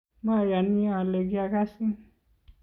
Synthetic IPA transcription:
mã˦ja˨ni˦ã˨le˨ɡja˧ka˦sĩ˦

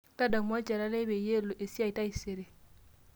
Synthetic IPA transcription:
ta˦da˨ma˦t͡ʃa˨ɾa˦le˦be˨je˦lo˨ʔe˨si˦a˦˨i˨ta˦i˨se˨ɾe˨

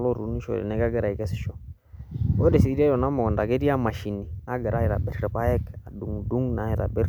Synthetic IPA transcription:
lɔ˦ɾṵ˨˦ni˦ʃɔ̰˨ɾɛ̰nɛ˨˦ka˦ɡɛ˦ɾa˨i˨kɛ˦sɪ̥˨ʃɔ˦ | ɔ˦dɛ˨si˨i˦ɾa˦jɔ˨na˦mɔ˨ɔ˨nda˨ke˦ɾi˦a˦ma˨ʃi˨ni˨na˦ɡɛ˨ɾa˦i˨ɾa̰˨bɛ˨ɾɾɛ˨pa˦ɛ˦ka˨du˨ŋdu˦ŋna˨˦i˨ɾa̰˨bɛ˦ɾ

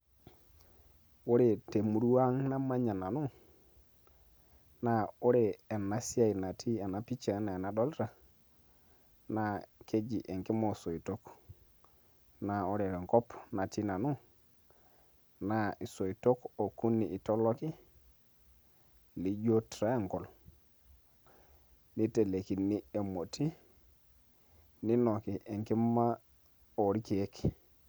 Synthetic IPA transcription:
o˦ɾe˨te˨mu˨ɾu˦wa˦ŋna˦ma˦ɲa˨na˨nu˦ | na˨o˦ɾeː˨na˨si˦a˦˨i˨na˨tʰi˦a˨na˨pi˦t͡ʃa˨˦na˨e˨na˨ɗɔ˦lta˨ | na˦˨ke˦d͡ʒi˨ʔe˨ŋkɪ˦mɔ˨so˨i˨to˦k | na˨o˦ɾe˨ɾɛ˨ŋkɔ˦pna˨ti˦na˨nu˦ | na˦˨ʔi˨so˨i˨to˦ko˨ku˦nːi˨i˨to˦lo˦ki˦ | li˦d͡ʒo˦tɾa˦e˦˨ŋkɔ˨l | ni˦te˨le˨ki˨nːi˦e˨mo˨ti˦ | ni˦no˨ki˨ʔe˨ŋki˦ma˦ | o˨ɾi˦ki˨e˦k

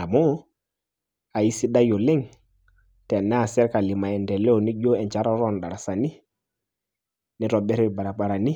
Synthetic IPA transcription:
a˨mɔ˦ | a˨i˦si˦ɗa˦jo˨lɛ˦ŋ | tɛ˨nɛ˦a˨sɛ˦ɾka˨li˨ma˨ɛ˨ndɛ˨lɛ˦ɔ˨ni˦d͡ʒo˦ɛ˨nt͡ʃa˦ɾɔ˦ɾɔ˦˨nɗa˨ɾa˨sa˨ni˦ | nɪ˦ɾɔ˨bɛ˦ɾɪ˦˨ba˨ɾa˨ba˨ɾa˨ni˦

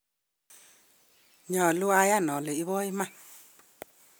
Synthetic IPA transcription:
ɲɔ˨lu˦a˦ja˦˨nɔ˨lə˨i˦βɔ˦i˦ma˦˨

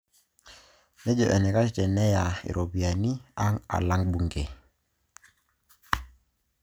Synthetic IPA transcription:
nɛ˦d͡ʒɔ˨ʔɛ˨nɛ˨ka˦t͡ʃi˨tɛ˨nɛ˦ja˨ḭ˨ɾʔo˨bi˨a˨ni˦a˦ŋa̰˨la˦ŋbu˨ŋɡe˨

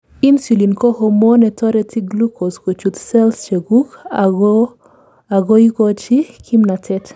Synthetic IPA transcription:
i˦nsu˨li˨nkɔ˦homo˦nɛ˨tɔ˦ɾɛti˦ɡlu˦kʰo˨sko˨t͡ʃu˨t̪sɛ˦lst͡ʃe˨ɡu˦k | a˨ɡo˦ikɔ˦t͡ʃi˦kʰi˦mna˨tʰɛt

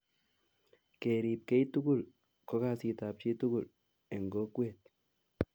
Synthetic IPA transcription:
ke˨ɾi˨p̚kɛ˦jtu˦ɡʊ˦˨l | kɔ˦ka˦˨si˨ta˨p̚t͡ʃi˦tu˦ɡʊ˨l | e˨ŋɡo˦kwe˦˨t̪̚

